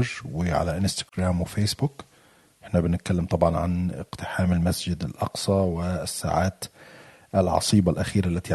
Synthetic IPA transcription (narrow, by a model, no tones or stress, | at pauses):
ʒwɪʕa̰laʔɪnst̪ḁɡɾaːmwɪfeːsbʊk | ʔʔɪħnabɪnɪt̪̚kalːɪmt̪ˤɑbʕɑnʕa̰nɪ̰qt̪ɪħaːmɪlmasd͡ʒɪd̪ɪlʔɑ̰qsˤɑwɪsːa̰ːʕaːt̪ | ʔɪlʕɑ̰sˤiːbalʔaxiːɾalːat̪i